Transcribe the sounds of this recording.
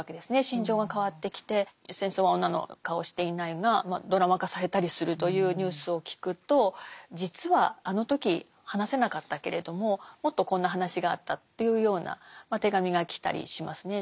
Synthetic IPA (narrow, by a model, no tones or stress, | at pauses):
ke̞d̪e̞sɨne̞ɕĩɲ̟d͡ʑo̞ːɡakaβ̞at̪ːe̞kʲi̥t̪e̞sẽ̞ɰ̃so̞ːβaõ̞nːano̞̰kao̞ɕi̥t̪e̞inaiɡamad̪o̞ɾamakasaɾe̞t̪aɾʲisɨɾɯ̟t̪o̞jɯ̟ːɲ̟ɯːsɨo̞kʲi̥kɯ̟t̪o̞d͡ʑit͡sɨβaːno̞t̪o̞kʲi | hanase̞nakat̪ːake̞ɾe̞d̪o̞mo̞mo̞t̪ːo̞kõ̞nːaɦanaɕiɡa̰ːt̪ːat̪ːe̞jɯ̟ːjo̞ːna̰mat̪e̞ɡamʲiɡakʲi̥t̪a̰ɾʲḭɕimasɨne̞